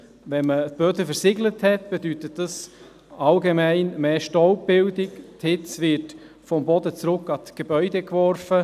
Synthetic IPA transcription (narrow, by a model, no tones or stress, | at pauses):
vɛnmətb̥øːtəfəɾsɪɡləthɛtb̥edytətd̥ɑs | ɑlɡemæɪnmeːʃtɔlp̚b̥ɪldɪkthɪt͡svɪɾt | fɔmbɔdət͡sɾʊkːɑtɡ̥ebœʏdekvɔrfə